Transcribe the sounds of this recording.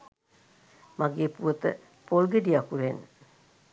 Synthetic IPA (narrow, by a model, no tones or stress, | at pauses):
maɡeːpuət̪ə̰ | polɡeɖiakuɾen